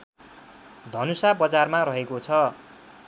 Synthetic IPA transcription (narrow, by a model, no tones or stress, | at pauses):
d̪ʱʌnusabʌd͡zarmarʌɦekot͡sʰʌ